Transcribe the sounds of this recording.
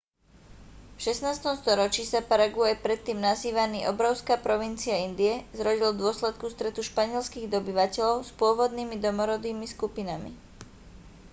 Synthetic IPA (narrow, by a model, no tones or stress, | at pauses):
fʃɛsnaːst̪ɔmst̪ɔɾɔt͡ʃisapaɾaɡuajpɾɛt̪ːiːmnaziːʋaniːʔɔbɾɔʊskaːpɾɔʋint͡siaind̪iɛzɾɔɟild̪ʊɔslɛt̪̚kust̪ɾɛt̪uʃpaɲɪɛlskiːɣd̪ɔbiʋacɛʎɔʊspʊɔʋɔd̪niːmid̪ɔmɔɾɔd̪iːmiskupinamḭ